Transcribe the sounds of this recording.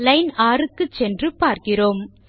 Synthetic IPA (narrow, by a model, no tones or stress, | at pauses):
lɐɪnaːɾɯkːɯt͡ʃɛndrɯpaːɾkɪroːm